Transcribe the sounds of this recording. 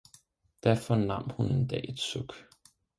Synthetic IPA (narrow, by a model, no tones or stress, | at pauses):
d̥æɐfɒnɑ̈m̰hune̝nd̥ɛ̰ːe̝d̥sɔɡ̥